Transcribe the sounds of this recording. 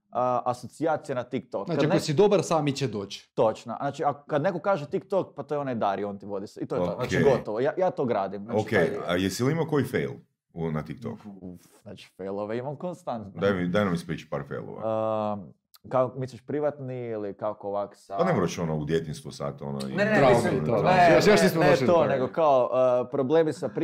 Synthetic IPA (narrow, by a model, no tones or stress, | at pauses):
əʔasot̪siaːt̪sijenat̪ik̚t̪oknakaanosid̪obaɾsaːmit͡ɕed̪oːt͡ɕt̪o̞t͡ʃna̰naːt͡ʃiakkad̪nekokaːʒet̪ikt̪okpat̪ojeonajd̪aɾiont̪iʋo̞d̪iseit̪oonaeiɡot̪oʋojajaːt̪oɡɾaːd̪imnaokejjesilimakojifejlˠ | unat̪ik̚t̪o̰kufznat͡ʃi̥fejlˠoʋeimamkonst̪ant̪d̪ajmid̪ajnamispɾit͡ʃpa̰ːɾfḛjlˠo̰ʋa̰ | kakokmisuʃpɾiʋat̪niilikakooʋaksaanemoɾat͡ʃonoud̪jet̪inst̪usa̰t̪o̰no̰inenɾaojojoʃisot̪oneɡokaoʔəpɾoble̞ːmisapɾ